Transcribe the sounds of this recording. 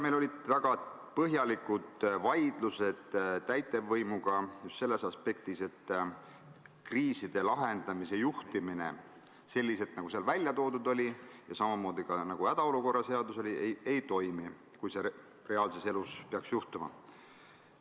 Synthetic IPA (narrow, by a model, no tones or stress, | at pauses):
melo̞lʲid̪̥væɡ̥ɑ | pɤɦjɑlikud̪̥vɑjd̪̥luse̞d̪̥t̪ːæjt̪e̞vːɤjmuɡ̥ɑjust̪se̞lːe̞sɑspe̞k̚t̪ise̞t̪ː | kriːsid̪̥e̞lɑɦe̞nd̪̥ɑmise̞juht̪imine̞̰ | se̞lʲːise̞t̪ːˑnɑɡ̥useɑlvælʲjɑt̪o̞ːd̪ud̪̥o̞lʲijɑsɑmɑmo̞ːd̪̥ikɑnɑɡ̥uæd̪̥ɑo̞luko̞rːɑse̞ɑd̪̥uso̞lʲiejʔe̞jt̪o̞jmi | kujse̞ | re̞ɑːlse̞seluspeɑksjuht̪umɑ̰